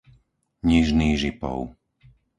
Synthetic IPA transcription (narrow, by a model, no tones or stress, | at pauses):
ɲiʒniːɣʒipɔ̰ʊ